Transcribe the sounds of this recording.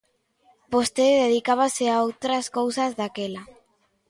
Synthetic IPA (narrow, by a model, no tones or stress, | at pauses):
post̪eðeðikaβ̞asɪaowt̪ɾaskowsazðakela